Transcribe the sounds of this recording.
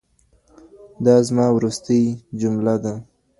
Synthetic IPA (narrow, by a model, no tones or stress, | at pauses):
d̪ɑzmɑwɾust̪əjd͡ʒʊmlad̪a